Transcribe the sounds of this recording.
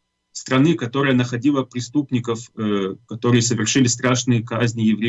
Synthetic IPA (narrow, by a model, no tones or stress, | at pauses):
st̪ɾɐnɨkɐt̪o̞ɾɨjənəxɐdʲilˠəpɾʲɪst̪upnʲɪkəfkɐt̪o̞ɾɨjəsəvʲɪrʂɨlʲɪst̪ɾaʂnɨjəkazʲnʲɪjɪvɾʲe